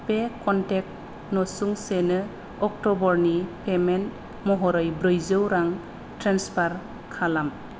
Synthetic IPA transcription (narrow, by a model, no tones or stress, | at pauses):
pekɔntek̚t | nɔsuŋsenɯ | ɔk̚tɔbɔɾnipemen | mɔɦɔɾɔjbɾɯjzɯwɾaŋ | tɾanspʰaɾ | kʰalam